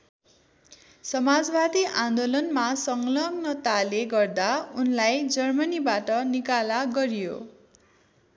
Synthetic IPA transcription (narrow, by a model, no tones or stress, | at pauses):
sʌmad͡zbad̪iʔãnd̪olʌnmasʌŋlʌɡnʌt̪aleɡʌrd̪aunlajd͡zʌrmʌnibaʈʌnikalaɡʌɾijo̰